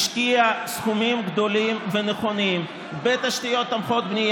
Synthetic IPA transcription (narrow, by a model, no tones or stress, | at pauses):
ʃkiasχumimɡd̪o̞limveneχo̞nim | bet̪ːaʃt̪ijo̞t̪ːamχo̞t̪̚bnij